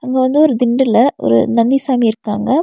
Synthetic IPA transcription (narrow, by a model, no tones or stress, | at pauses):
ɐŋɡeːʋɐnd̪ɯɔɾɯd̪ɪɳɖɯlɐʔɔ̰ɾɯ̰nɐnd̪isaːmiɪɾɯkːaːŋɡɐ